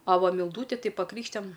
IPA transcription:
ɐ ˈʋɐ mʲɪlˠˈduːtʲɪ tɐɪ pɐˈkrʲiːkʃʲtʲɪjɛm

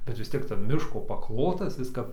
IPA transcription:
bʲɛt ʋʲɪs ˈtʲiɛk tɐrp ˈmʲɪʃkoː pɐˈklˠoːtɐs ˈɪs kɐp

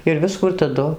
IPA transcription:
ɪr ˈʋʲɪskuː ɪr tɐˈdʊ

